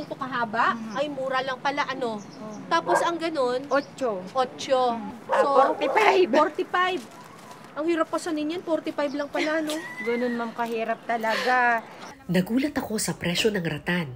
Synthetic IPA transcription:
ɪnt̪okɐɦaːbɐʔʔɐjmuːɾɐlɐŋpɐlaʔɐno̞ | t̪aːpo̞sɐŋɡɐno̞nʔot͡ʃoʔoːt͡ʃoaŋpɛpapoɾt̪ɪpajb̚ | ʔɐŋhiːɾɐp̚kɐsonɪnjɐnpoɾt̪ɪpajblɐŋpɐlaʔɐno̞ɡɐno̞nmamkɐɦiːɾɐp̚t̪ɐlɐɡa | nɐɡuːlɐt̪ɐko̞sɐpɾɛʃo̞nɐŋɾɐt̪an

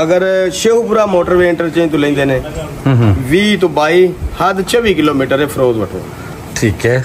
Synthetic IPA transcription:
ɐɡəɾʃeːɦupʊɾaːmoːʈəɾʋeɪɳʈəɾt͡ʃeːnt̪ʊlẽːnd̪eːnẽː | ʋiːt̪ʊbaːiːhɐd̪t͡ʃəʋiːkɪloːmiːʈəɾeːpʰɾoːzʋəʈʰo̰ː | ʈʰiːkɦɛː

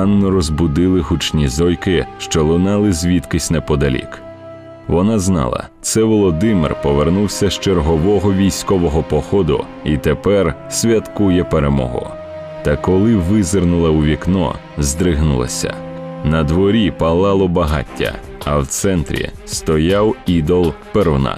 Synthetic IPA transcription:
ɑnːɔɾɔzbʊd̪ɪlˠɪɦut͡ʃnʲizɔjkɪʃt͡ʃɔlˠʊnɑlˠɪzʲʋʲit̪kɪsʲnɛpɔd̪ɐlʲḭk | ʋɔnɑznɑ̰lˠɐ̰ | t̪sɛʋɔlˠɔd̪ɪmɪrpɔʋernuwsʲɐʃt͡ʃerɦɔʋɔɦɔʋʲijsʲkɔʋɔɦɔpɔxɔd̪ʊ̰ | it̪epɛr | sʲʋʲɐt̪kujɛpeɾemɔ̰ɦʊ̰ | t̪ɐkɔlˠɪʋɪzɪrnʊlˠɐuʋʲiknɔ̰ | zd̪ɾɪɦnʊ̰lˠɐ̰sʲɐ̰nɐd̪ʋɔɾʲipɐlˠɑlˠɔbɐɦɑ̰tʲːɐ̰ | ɐwt̪sɛnt̪ɾʲḭ | st̪ɔjɑwid̪ɔlˠperwnɑ̰

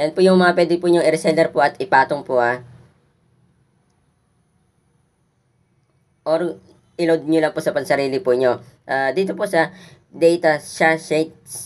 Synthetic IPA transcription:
jɐnpʊjʊŋmɐŋɐpwɛːd̪ɪpʊɲʊŋɪɾɛsɛlɛɾpoʔɐt̪ɪpaːt̪oŋpʊha | ʔoɾ | ʔɪlowd̪̚ɲolɐŋpʊsɐpɐŋsɐɾiːlɪpʊʔɲo̞ʔaːd̪iːt̪oposɐ | d̪ɛjt̪ɐʃasɛt̪̚s

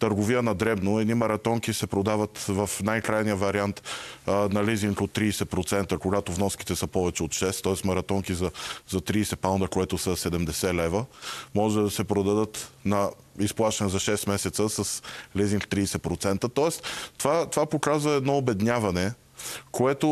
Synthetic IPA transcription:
t̪əɾɡovijənɐd̪ɾɛbnoɛd̪nimɐɾɐt̪ɔŋkisɛpɾod̪avɐt̪vɐfnajkɾajnijəvɐɾiant̪nɐliziŋkot̪ːɾiːsɛpɾot̪sɛnt̪əkoɡat̪ovnɔskit̪ɛsəpɔvɛt͡ʃɛot̪ʃɛst̪ːɔɛsmɐɾɐt̪ɔŋkizɐzɐt̪ɾiːsɛpaʊnd̪əkoɛt̪ʊsəsɛd̪ɛmd̪ɛsɛlɛvəmɔʒɛd̪ɐsɛpɾod̪ɐd̪ət̪nɐ | isplˠaʃt̪ɛnɛzɐʃɛst̪mɛsɛt̪səsəsliziŋkt̪ɾiːsɛpɾot̪sɛnt̪ət̪ɔɛst̪t̪vat̪ovapokazvɐɛd̪nɔobɛd̪nʲavɐnɛ | koɛt̪o

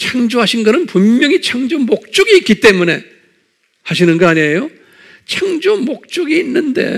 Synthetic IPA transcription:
t͡ɕʰaŋd͡ʑuɦaɕʰinɡʌnɯnpummːjʌŋit͡ɕʰʌŋd͡ʑumok̚t͡ɕ͈uɡiːt̚k͈it͈e̞mune̞ | haɕ̬ʰinɯnɡʌaɲejo | t͡ɕʰaŋd͡ʑumok̚t͡ɕ͈uɡiːnːɯnde̞̰

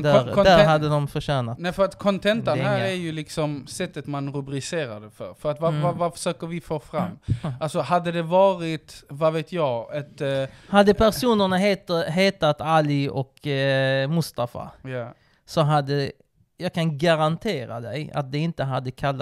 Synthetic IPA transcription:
d̪æɾd̪æɾɦad̪ːəd̪ɔmfœʂæːnat̪nɛfœɾat̪kʰɔnt̪ʰɛntdənaæɾjɵlɪksɔmsɛt̪ːət̪manɾɵbɾɪseːɾad̪əfœ̰ɾfœɾat̪vavavafœ̥ʂœːkəɾvɪfoːfɾa̰mːʔalsɔɦad̪ːəd̪ɛvɑːɾɪt̪vaveːt̪ʰjɑɡɛt̪had̪ːəpʰæɾʂuːnəɳaɦet̪ɦeːt̪at̪alɪɔk | mʊst̪afa̰j | sɔɦad̪ːə | jɑːɡkʰanɡaɾant̪ʰeːɾa̰d̪ɛja̰t̪̚d̪ɛɪnt̪əɦad̪ːəkʰalːa

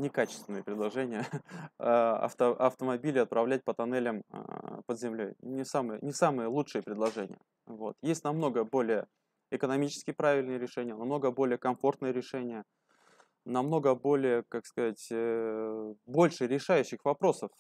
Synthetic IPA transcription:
nʲɪkat͡ɕɪst̪vʲɪnɨjəpɾʲɪd̪lˠɐʐɛnʲɪjə | ɐ̰ft̪əɐft̪əmɐbʲilʲɪɐt̪̚pɾɐvlʲæt̚ʲpət̪ɐnɛlʲəm̰pəd̪zʲɪmlʲo̞jnʲɪsamɨjə̰nʲɪsamɨjəlˠut͡ʂʂɨjəpɾʲɪdlˠɐʐɛnʲɪ̰jə | vo̞t̪jesʲtʲnɐmno̞ɡəbo̞lʲɪjə | ɪkənɐmʲit͡ɕɪ̥skʲɪjpɾavʲɪlʲnɨjəɾʲɪʂɛnʲɪjənɐmno̞ɡəbo̞lʲɪjəkɐmfo̞rt̪nəjəɾʲɪʂɛnʲɪjə | nɐmno̞ɡəbo̞lʲɪjəkakskɐzatʲ | bo̞lʲʂɨɾʲɪʂajʉɕːɪxvɐpɾo̞səf

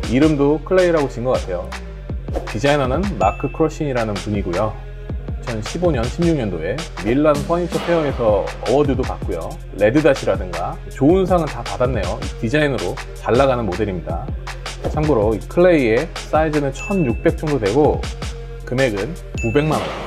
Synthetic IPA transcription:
iɾɯmdokʰɯɭːe̞iɾaɡoɕʰinɡʌk͈atʰe̞jo | tid͡ʑainʌnɯnmakʰɯkʰɯɾʌɕ͈ʰiɲiɾanɯnpuɲiɡojo | t͡ɕʰʌnɕʰiboɲʌnɕʰimɲuŋɲʌndoe̞ | miɭːanpʰʌɲit͡ɕʰʌpʰejʌŋe̞sʰʌʌbʌdɯdopak̚k͈ojo̰ | le̞dɯdaɕʰiɾadɯŋɡa | t͡ɕoɯns̬ʰaŋɯɭtapadanːe̞joʔitid͡ʑainɯɾo | t͡ɕaɭːaɣanɯnmode̞ɾimɲida̰ | t͡ɕʰamɡɯɾoikʰɯɭːe̞ie̞s͈aid͡ʑenɯnt͡ɕʰʌnjuk̚p͈e̞k̚t͡ɕ͈ʰʌŋdodwe̞ɡo | kɯme̞ɡɯn | kube̞ŋmanʌn

